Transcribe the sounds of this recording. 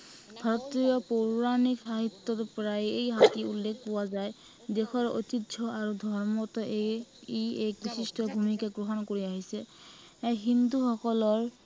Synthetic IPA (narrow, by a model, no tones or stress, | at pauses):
bʱaɹɔt̪ːijɔpoɹuɹaniksaɦit̪ːɔtpɔɹajejɦatiṵlːekʰpɔwazaj | dexʰɔɹo̰tidʒɔaɹudʱɔɹmɔtɔʔ | ek̚bisistɔbʱumikaɡɹoɦɔnkoɹiaɦisɛ | eɦinduxɔkɔlɔɹ